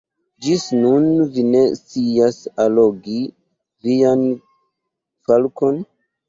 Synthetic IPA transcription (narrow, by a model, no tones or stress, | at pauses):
d͡ʒisnunvine̞st͡siasalo̞ɡi | vian | falko̞n